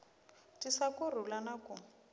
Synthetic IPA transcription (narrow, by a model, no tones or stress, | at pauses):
tʼisakʊrulanakʊ